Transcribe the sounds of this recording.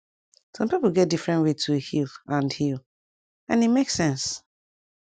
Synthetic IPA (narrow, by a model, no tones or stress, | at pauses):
sɔ̃mpiplɡɛt̚difɹɛ̃ntwetʰuhilãndhil | ãnimeksɛ̃ns